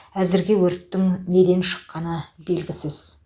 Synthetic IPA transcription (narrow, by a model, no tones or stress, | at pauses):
æzɪɾɡʲe̞wɵɾt̪ːɪŋne̞d̪enʃə̥qːɑnəbe̞lɡʲɪsɪz̥